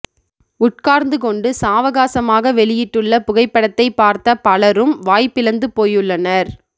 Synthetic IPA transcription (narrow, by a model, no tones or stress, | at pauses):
ʊʈ̚kaːɾnd̪ɯkɔɳɖɯsaːʋɐɣaːsɐmaːɣɐʋɛɭɪjɪʈːɯɭːɐpʊɣɐɪpːɐɽɐt̪ːɐɪpːaːɾt̪ɐpɐɭɐɾɯmʋaːjpːɪlɐnd̪ɯpoːjɯɭːɐnɐɾ